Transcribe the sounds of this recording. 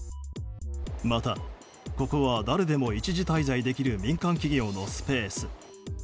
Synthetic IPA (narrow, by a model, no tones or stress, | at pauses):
mat̪a | ko̞koβad̪aɾe̞d̪e̞mo̞it͡ɕiʑit̪aizaid̪e̞kʲiɾɯ̟mʲĩŋkãŋkʲiɡʲo̞ːno̞sɨ̥pe̞ːsɨ̥